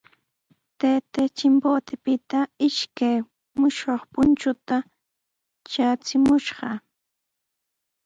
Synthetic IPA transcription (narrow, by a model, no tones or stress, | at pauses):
t̪et̪et͡ʃɪmpoːt̪ɪpɪt̪aɪʃkaj | mʊʃoχpʊnt͡ʃʊt̪a | t͡ʃat͡sɪmʊʃɢɑ